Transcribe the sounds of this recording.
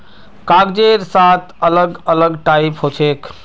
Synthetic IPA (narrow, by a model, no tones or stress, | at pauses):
kaɡd͡ʒeɾsat̪ʰələɡələɡʈaipɦot͡ʃʰekʰ